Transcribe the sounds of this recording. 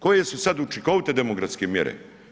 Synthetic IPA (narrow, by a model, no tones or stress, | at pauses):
ko̞je̞susad̪ut͡ʃikoʋt̪ed̪emokɾat̪skemjḛɾḛ